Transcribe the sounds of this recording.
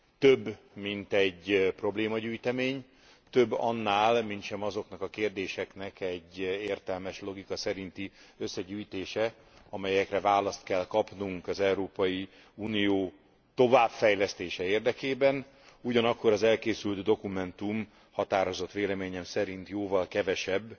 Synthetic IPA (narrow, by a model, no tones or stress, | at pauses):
t̪øbː | mint̪ɛɟpro̞bleːmɒɟyːjt̪ɛmeːɲ | t̪ø̞bːɒ̰nːaːlmint̪ʃɛmɒzo̞knɒkɒkeːrd̪eːʃɛknɛkɛɟːeːrt̪ɛlmɛʃlo̞ɡikɒsɛɾint̪iøsːɛɟyːjt̪eːʃɛ | ɒmɛjɛkrɛvaːlɒst̪kɛlkɒpnuŋkɒzɛuɾoːpɒji | uːnijoː | t̪o̞vaːbfɛjlɛst̪eːʃɛeːrd̪ɛkeːbɛn | uɟɒnɒkːo̞ɾɒzɛlkeːsylt̪d̪o̞kumɛnt̪um | hɒt̪aːɾo̞zo̞t̪ʋeːlɛmeːɲɛmsɛɾint̪joːvɒlkɛvɛʃɛbː